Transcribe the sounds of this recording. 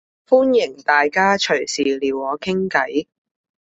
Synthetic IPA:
fuː˥njɪ˨˩ŋt̪aː˨jkaː˥t͡ʃʰɵ˨˩ɥsiː˨liː˨˩wɔː˨˧kʰɪ˥ŋkɐ˨˥j

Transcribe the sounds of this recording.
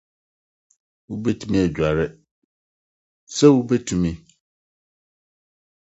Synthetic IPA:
wu˦be˦tʰu˦mĩ˦ɛ˨d͡ʑᶣa˨ɾɪ˦ | sɛ˦wu˦bɛ˦tʰũ˨mĩ˦

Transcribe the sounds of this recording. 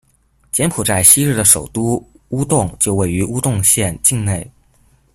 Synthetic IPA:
t͡ɕjɛ˧˥npʰu˨˩t͡sa˥˩ɪɕi˥ɻɻ̩˥˩d̪ə˩ʂo˨˩ʊt̪u˥u˥t̪ʊ˥˩ŋt͡ɕjo˥˧ʊwe˥˩ɪy˧˥ʔu˥t̪ʊ˥˧ŋɕjɛ˥˧nt͡ɕi˥˧ŋne˥˩ɪ

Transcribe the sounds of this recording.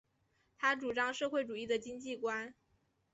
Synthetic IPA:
t̪ʰa˥ʈ͡ʂu˨˩ʈ͡ʂɑ˥ŋʂɤ˥˧xwe˥˩ɪʈ͡ʂu˨˩i˥˩d̪ə˩t͡ɕi˥ŋt͡ɕi˥˩kwa˥n

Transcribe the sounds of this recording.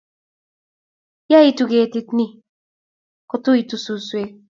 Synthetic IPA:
ja˦i˦tu˨ɡe˨ti˦tni˦ | kʊ˨tʊ˦i˨tu˨su˨swe˦

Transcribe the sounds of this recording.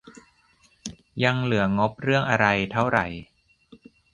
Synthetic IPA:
ja˧ŋlɯ˩˦ɐŋo˦˥p̚ɾɯ˥˩əŋʔa˧ɾa˧jt̪ʰa˥˩wɾa˨˩j

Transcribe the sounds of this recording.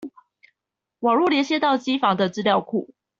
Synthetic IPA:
wɑ˨˩ŋɻu˥˨˩ljɛ˧˥nɕjɛ˥t̪ɑ˥˩ʊt͡ɕi˥fɑ˧˥ŋd̪ə˨ʈ͡ʂɹ̩˥ljɑ˥˧ʊkʰu˥˩

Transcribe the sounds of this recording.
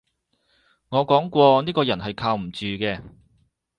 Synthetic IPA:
ŋɔː˨˧kɔː˨˥ŋkʷɔː˧niː˥kɔː˧jɐ˨˩nhɐ˨jkʰaː˧wm̩˨˩t͡ʃyː˨kɛː˧

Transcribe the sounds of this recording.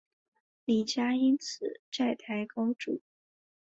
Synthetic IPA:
li˨˩t͡ɕja˥i˥nt͡sʰɹ̩˨˩˦ʈ͡ʂa˥˩ɪt̪ʰa˧˥ɪkɑ˥ʊʈ͡ʂṵ˨˩˦

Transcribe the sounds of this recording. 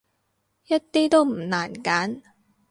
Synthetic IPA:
jɐ˥t̚t̪iː˥t̪o˥wm̩˨˩naː˨˩nkaː˨˥n

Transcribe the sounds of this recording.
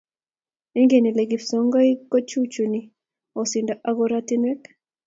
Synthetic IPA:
iŋɡe˨ni˨le˨ɡi˨fsɔ˦ŋɡa˦iko˦t͡ʃut͡ʃuni | o˨sindaʔa˦ɡoɾat̪i˦nɛ˦k

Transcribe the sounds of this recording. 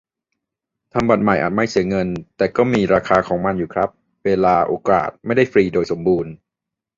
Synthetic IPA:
t̪ʰa˧mba˨˩t̪̚ma˨˩jʔa̰ː˨˩t̪̚ma˥˩jsɯ˨˩˦əŋɤ˧nt̪ɛː˨˩kɔː˥˩miː˧ɾaː˧kʰaː˧kʰɔː˩˦ŋma˧njuː˨˩kʰɾa˦˥p̚ | weː˧laː˧ʔo̰ː˧˩ka̰ː˨˩t̪̚ma˥˩jda˥˩jfɾiː˧doː˧jso˩˦mbuː˧n

